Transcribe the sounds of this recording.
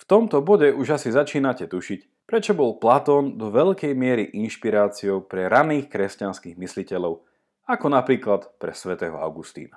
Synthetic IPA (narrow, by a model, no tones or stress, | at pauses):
ft̪ɔmt̪ɔbɔɟɛʔuʒasizat͡ʃiːnacɛt̪uʃic | pɾɛt͡ʃɔbɔlplat̪ɔːnd̪ɔʋɛʎkɛjmɪɛɾiʔinʃpiɾaːt͡siɔʊpɾɛɾaniːxkɾɛscanskiɣmislicɛlɔʊ | akɔnapɾiːklat̪pɾɛsʋɛt̪ɛːɦɔ̰a̰ʊɡust̪ḭːna